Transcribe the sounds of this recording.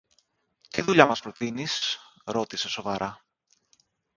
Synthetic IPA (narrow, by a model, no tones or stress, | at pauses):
t̪iðuʎɐmɐspɾo̞t̪inisɾo̞t̪ise̞so̞vɐɾʔɐ